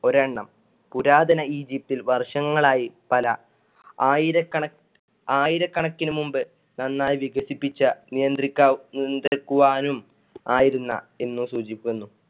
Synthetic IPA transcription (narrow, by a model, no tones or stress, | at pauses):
o̞ɾɐɳːɐ̰m | puɾaːd̪ɐnɐiːd͡ʑip̚t̪ilʋɐrʂɐŋːɐɭaːjipɐlɐ | aːjiɾɐkːɐɳɐ | aːjiɾɐkːɐɳɐkːinumumbɨ | nɐnːaːjʋiɡɐsipːit͡ɕːɐnijɐnd̪rikʲːanind̪rikːuʋaːnum | aːjiɾunːɐ̰e̞nːusuːd͡ʑikʲːunːu